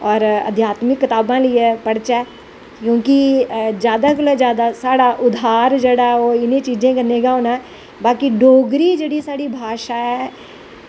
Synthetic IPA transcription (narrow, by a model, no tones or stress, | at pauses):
ɔːɾə̰d̪ʱjaːt̪mɪkːɪt̪aːbãːləiːɛːpəɽt͡ʃɛː | kjõːkɪd͡ʒjaːd̪aːɡəleːd͡ʒjaːd̪aːsaːɽaːʔʊd̪ʱaːɾd͡ʒeːɽaːoːɪnẽːt͡ʃiːd͡ʒẽːkənːeːɡaːɦoːnaː | baːkiɖoːɡɾiːd͡ʒeːɽiːsaːɽiːbʱaːʃaːɛː